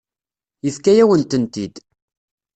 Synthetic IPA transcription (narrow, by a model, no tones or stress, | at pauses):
jəθkæjæwənt̪ənt̪id̪